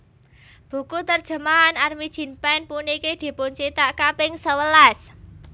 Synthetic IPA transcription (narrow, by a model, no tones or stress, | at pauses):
b̥ṳkut̪ərd̥ʒ̥ə̤maɦːnarmid̥ʒ̥i̤npɛnpunikid̪̥i̤pʊnt͡ʃit̪aʔkapɪŋsəwəlas